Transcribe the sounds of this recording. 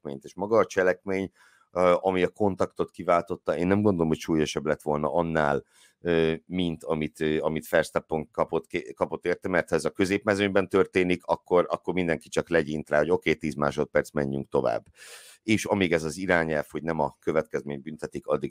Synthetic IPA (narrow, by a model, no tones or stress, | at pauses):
meːɲt̪eːʃmɒɡɒːt͡ʃɛlɛkmeːɲ | ɒmiɒko̞nt̪ɒkt̪o̞t̪kivaːlt̪o̞t̪ːɒeːnːɛmɡo̞nd̪olomho̞cʃuːjo̞ʃɛblɛt̪ʋo̞lnɒ̰ʔɒnːaːl | øːmint̪ɒmit̪ːɒmit̪fɛrst̪ɛpːoŋkɒpot̪kekɒpot̪ːeːrt̪ɛmɛrt̪hɒɛzɒkø̞zeːpmɛzøɲbɛnt̪ørt̪eːnikɒkːo̞ɾɒkːo̞rmind̪ɛŋki̥t͡ʃɒklɛɟint̪raːɦo̞ɟo̞keːt̪iːzma̰ːʃo̞t̪̚pɛrt̪smɛɲːyŋk̚t̪o̞va̰ːbː | eːʃɒmiːɡɛzɒziɾaːɲɛlfho̞ɟnɛmɒkø̞vɛt̪kɛzmeːɲbynt̪ɛt̪ikɒ̰d̪ːiɡ